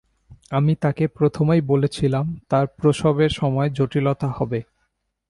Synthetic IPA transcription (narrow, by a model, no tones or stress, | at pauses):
amit̪akepɾot̪ʰomejbolet͡ɕʰilamt̪aɾpɾoʃobeɾʃɔmɔed͡ʑoʈilot̪ahɔbe